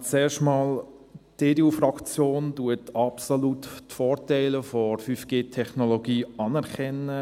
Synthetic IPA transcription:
t͡sɛːʃtmɑːlteːdeufrɑkt͡sjoːnduətɑpsoluttfɔːɾtɛɪləfɔrfyfɡ̥eːtʰɛχnoloɡiːɑnɛɾkɛnə

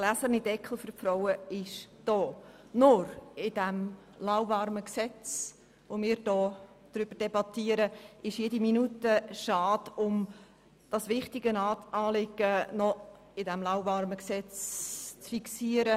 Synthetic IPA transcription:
ɡ̥læsəɾnid̥ɛkχl̩ˠfʏrfɾɔwəɪʃd̥ɔː | nʊɾɪd̥æm | lawvɑrməksɛt͡s | ʋomɪːɾd̥ɔː | d̪̥ɾʏb̥əɾd̥ɛbɑt̪iːəɾəʔɪʃjediminutəʃɑːdʊm | d̥ɑsʋɪχtiɡənɑːtɑːlɪɡ̥ənɔ | ɪdæmlaʊvɑɾməksɛt͡st͡sfiksiəɾə

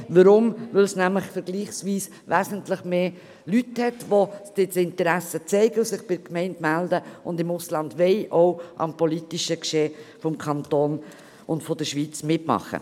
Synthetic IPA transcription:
ʋəɾʊmʋɪlsnæmləχfəɾɡliːχsʋiːs | ʋæzəntləχmeː | lythɛtʋod̥ɪtɪntəɾæsət͡sɛɪɡəʊsɪχb̥ɪkmɛɪntmældəʊndɪmʊslɑndʋɛɪʔoʊʔɑ̰mpɔlitiʃəkʃeːfɔmkʰɑnt̪oːn | ʊndfɔd̥əʃʋiːt͡smɪtmɑ̰χə̰

